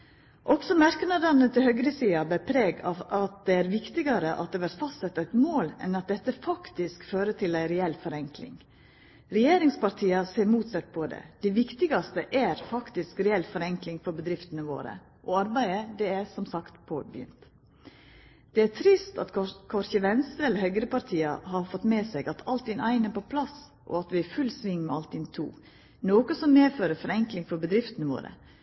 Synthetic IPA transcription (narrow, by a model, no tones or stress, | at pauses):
ʔɔksɔmæɾkənɑd̪ɑnət̪ʰɪlhœɡɾəsiːɑbɛpʰɾeːɡɑʋɑt̪̚d̪ɛæɾʋɪkt̪ɪɡɑɾəʔɑt̪̚d̪ɛːʋæɾt̪fɑst̪sɛt̪ːæɪt̪moːlɛ̰nɑt̪̚d̪ɛt̪ːəfɑkt̪ɪskføːɾət̪ʰɪlæɪɾɛɛlfɔɾɛŋklɪ̰ŋ | ɾɛjeːɾɪŋspɑɾt̪ʰiːɑseːɾmuːt̪sɛt̪ːpʰɔd̪ɛ̰d̪̥æɪʋɪkt̪ɪɡɑst̪əʔæɾfɑkt̪ɪskɾɛɛlfɔɾɛŋklɪŋfɔɾbəd̪ɾɪft̪ənəʋo̰ːɾə̰ | ʔɔɑɾbæɪəd̪ɛæɾsɔmsɑkt̪pʰɔbjʏ̰nt̪ | d̪̥ɛæt̪ʰɾɪst̪ɑ̰t̪kʰɔɾçəʋɛnst̪ɾəɛlːəɾhœʏɡɾəpɑɾt̪ʰiːɑhɑɾfɔt̪meːsɛɡɑt̪ʰɑlt̪̚ʰɪnæɪnɛɾpʰɔpʰlɑs | ʔɔ̰ɑt̪ʋɪæɾfʉlsʋɪŋːmɛɑlt̪ɪnt̪ʰṵː | noːkəsɔmːeːføːɾəfɔɾɛŋklɪŋfɔɾbəd̪ɾɪft̪ənəʋo̰ːɾə̰